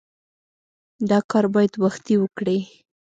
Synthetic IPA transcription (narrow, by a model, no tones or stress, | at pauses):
d̪ɑkɑɾbɑjad̪waxt̪iwəkɽi